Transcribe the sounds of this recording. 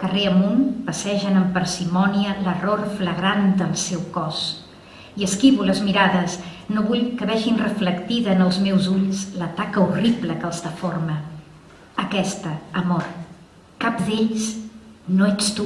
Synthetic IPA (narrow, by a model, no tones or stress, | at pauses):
kəreəmunpəsɛʒənəmpəɾsimɔniələrorfləɣɾand̪əlˠsɛwkɔs | iəskiβuləzmiɾaðəsnoβuʎkəβɛʒinrəfləkt̪iðənəlˠzmɛwzuʎslət̪akəuribləkəlˠzðəformə | əkɛst̪əəmor | kap̚d̪eʎsnoɛt͡st̪u